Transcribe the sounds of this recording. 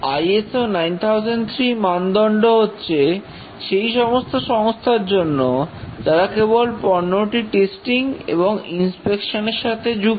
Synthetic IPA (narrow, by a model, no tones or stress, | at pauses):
ajesonajnt̪ʰawd͡ʑent̪ʰɾimand̪ɔɳɖoɦotːɕʰe | ʃejʃɔmost̪ʰoʃɔŋost̪ʰaɾd͡ʑonːod͡ʑaɾakebolpɔɾnoʈiʈesʈiŋḛboŋinspekʃoneɾʃat̪ʰed͡ʑuk